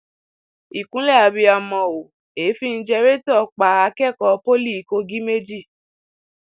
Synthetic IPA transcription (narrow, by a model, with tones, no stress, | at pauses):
i˨kũ˨˦lɛ˦˨a˨˧bi˨˧a˨mɔ̃˨o˨ | e˨˦fi˦˧n̩˦d͡ʒɛ˧ɾe˦tɔ˦˨k͡pa˨˦a˧kɛ˦˨kɔ˧˦po˦li˦˨ko˧˦ɡĩ˦me˦d͡ʒi˦˨